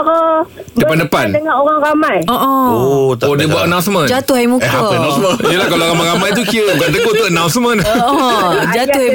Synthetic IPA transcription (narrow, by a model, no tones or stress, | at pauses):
dəpandəpandəŋanoɾaŋɾamãjɔʔɔoodiəbuaʔənãw̃nsmə̃nd͡ʒat̪ʊɦajmũkəapənãsməiəlahkalaɾamajɾamajt̪ukiəbɡaʔt̪̬əkot̪uʔənaw̃nsmə̃nɔʔɔ | d͡ʒat̪ʊhaj